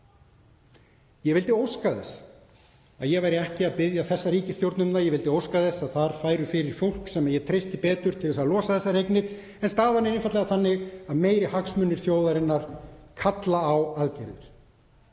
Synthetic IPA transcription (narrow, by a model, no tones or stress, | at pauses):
jɛɣvɪlt̪ɪowskaðɛ̰s | aðjɛɣvajɾɪɛhcɪaðpɪðjaθɛsːaɾiːcɪst̪jowɾt̪nʏmnajɛvɪlt̪ɪowskaðɛsaðθaɾ̥faːjɾʏfɪɾɪɾ̥fowl̥ksɛmajɛt̪ʰɾejst̪ɪpɛːt̪ʏɾ̥t̪ʰɪlvɛsaðlɔːsaθɛsːaɾejknɪɾ | ɛnst̪aːðanːɪɾɪnfat̪lɛɣaθanːɪɣaðmeːjɾɪhaksmʏnːɪɾ̥θjoːwðaɾɪnːaɾ̥kʰat̪laːwaðcɪɾðɪ̰ɾ̥